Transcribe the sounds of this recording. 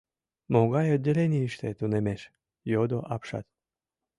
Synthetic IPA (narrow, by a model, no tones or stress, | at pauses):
moɡɑjod̪ʲelʲenʲiiʃt̪et̪unemeʃ | jod̪oʔɑpʃɑ̰t̪